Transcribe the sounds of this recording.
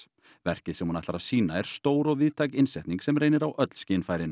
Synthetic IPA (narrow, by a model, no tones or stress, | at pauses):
vɛr̥cɪðsɛmhunaht̪aɾasiːnaɛɾ̥st̪oːwɾɔɣvɪðt̪ʰajcɪnsɛht̪niŋksɛmrejnɪɾawʔœt̪l̥scɪːnfaːjɾɪn